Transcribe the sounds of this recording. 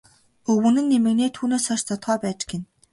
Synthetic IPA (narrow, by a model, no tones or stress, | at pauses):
ɵwɵ̆nɘ̆nːemɘ̆kneːt̪ʰuːneːsɔʃt͡s̪ʰɔt̪χœːpæːt͡ɕɡen